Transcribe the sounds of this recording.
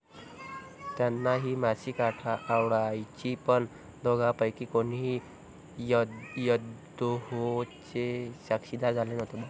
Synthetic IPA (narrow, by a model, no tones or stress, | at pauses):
t̪janːaɦiːmaɕiːkaʈʰaʔːwɽajt͡ɕipəɳ | d̪ʱɔɡapəjkiːkonɦi | jəd̪ | oɦot͡ɕeɕakɕid̪aɾd͡zʱalenəɦt̪eba